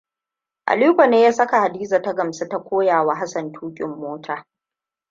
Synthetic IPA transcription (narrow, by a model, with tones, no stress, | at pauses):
ʔa̰˨liː˦kʷa˨neː˦jaː˦sɐ˦ka˨ha˨diː˦za˨ta˦ɡɐ˨msa˦ta˦kʷoː˦jaː˨wa˦ɦa˦sɐ˨ntʰuː˦kʲʼɪ̰˨mːoː˦tʰaː˨